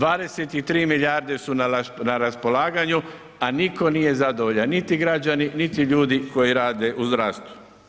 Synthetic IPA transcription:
d̪ʋaːd̪e̞set̪it̪ɾiːmiʎiaːɾd̪e̞sunnaɾaspo̞laːɡaɲu | aniko̞nije̞zad̪oʋoʎannit̪iɡɾad͡ʒaninit̪iʎuːd̪iko̞jiɾaːd̪e̞ʔuzɾaːst̪u̥

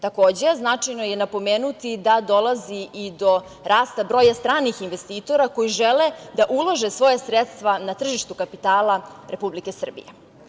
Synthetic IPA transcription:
t̪ako̞ːd͡ʑe̞znat͡ʂajnoje̞napo̞meːnut̪id̪ad̪o̞lˠaziid̪o̞ | ɾaːst̪abɾo̞ːjast̪ɾaːnixinʋest̪iːt̪o̞ɾako̞jiʒeled̪aʔulˠoʒesʋo̞jasɾet̪st̪ʋanat̪r̩ʒiʃt̪ukapit̪aːlˠaɾepublike̞sr̩bḭje

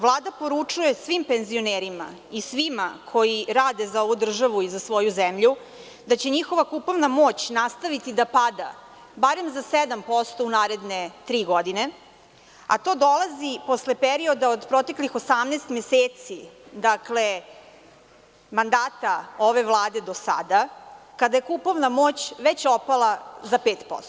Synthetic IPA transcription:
ʋlˠaːd̪apo̞ɾut͡ʂuje̞sʋimpenzio̞neːɾima̰ | isʋimakʰo̞jiɾaːd̪ezao̞ʋud̪r̩ʒaʋuizasʋo̞juzemʎu | d̪at͡ɕe̞ɲixo̞ʋakupoʋnamo̞t͡ɕnast̪aʋit̪id̪apad̪a̰ | baɾemzased̪ampo̞st̪o̞unaːɾe̞d̪ne̞t̪ɾiːɡo̞d̪ine̞ | a̰t̪o̞ːd̪o̞lˠazipo̞sle̞peɾio̞d̪aod̪pɾo̞t̪e̞klixosamneːst̪mʲjeseːt̪sid̪akle̞ | mand̪aːt̪ao̞ʋe̞ʋlˠaːd̪e̞d̪o̞sa̰d̪akad̪ajekupo̞ʋnamo̞ːt͡ɕʋet͡ɕopalˠazapeːt̪po̰st̪o̥

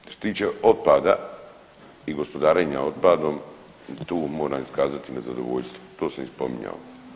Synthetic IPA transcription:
oset̪iːt͡ʃeo̞t̪̚paːd̪a | iɡo̞spo̞d̪aːɾeɲao̞t̪̚paːd̪o̞ːm | t̪uːmo̞ːɾamiskaːzat̪inazad̪o̞̰ʋoʎst̪ʋot̪o̞ːsamispo̞̰mḭɲa̰o

